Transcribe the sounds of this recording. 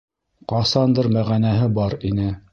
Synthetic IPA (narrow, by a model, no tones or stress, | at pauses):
qɑsɑnd̪ɤɾmæʁænæɦɘbɑɾinɘ